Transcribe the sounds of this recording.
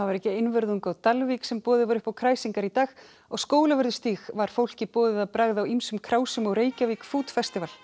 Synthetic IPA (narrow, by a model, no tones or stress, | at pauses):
avaɾɛhcɪɪnvʏɾðuŋkawt̪alviksɛmpɔːðɪvaɾʏhpawkʰɾaːjsiŋkaɾit̪aːx | ɔɣskoːwlavʏɾðʏst̪iːxvaɾ̥fowl̥cɪpɔːðɪðaðpɾaɣðawimsʏmkʰɾaːwsʏmɔɣɾeːjcaviːkfuːt̪fɛst̪ɪval̥